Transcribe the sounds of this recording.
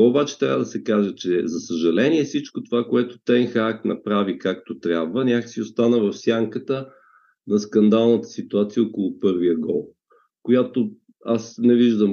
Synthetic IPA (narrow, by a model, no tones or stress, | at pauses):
obat͡ʃɛ̥t̪ɾʲavəd̪ɐsɛkaʒɛt͡ʃɛzɐsəʒɐlɛnʲiɛfsit͡ʃkot̪ovakoɛt̪ot̪ɛnxaknɐ̰pɾavikak̚t̪ot̪ɾʲabvənʲjakə̥siost̪anəvɐfsʲjaŋkət̪ə | nɐskɐnd̪alˠnət̪ə̥sit̪uat̪sijəokolˠʊpɤɾvijəɡɔlˠ | kojat̪o | asnɛviʒd̪əm